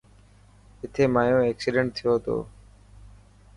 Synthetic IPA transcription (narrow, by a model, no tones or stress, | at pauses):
ɪt̪ʰeːmaːjõːeːksiɖə̃ɳʈ̚t̪ʰɪjoːt̪o̰ː